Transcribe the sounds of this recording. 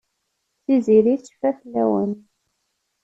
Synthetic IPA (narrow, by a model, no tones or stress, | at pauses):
θiziɾit͡sːfæθlːæwə̰n